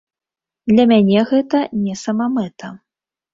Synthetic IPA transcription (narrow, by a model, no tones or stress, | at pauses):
d̪lʲɐmʲanʲɛɣɛt̪ɐnʲɛsɐmamɛt̪ɐ